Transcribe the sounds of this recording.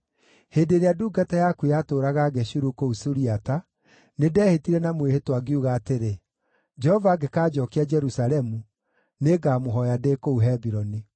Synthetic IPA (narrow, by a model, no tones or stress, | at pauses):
hedeːɾeaduːɡatajakuejatoːɾaɣaɡɛɕuɾukousuɾiata | nedɛːhetiɾɛnamwehetwaɡeuɣaːteɾe | d͡ʒɛhɔvaːɡekaːd͡ʒɔkead͡ʒɛɾusaɾɛmu | neɡaːmoɦɔjadekouɦɛbiɾɔni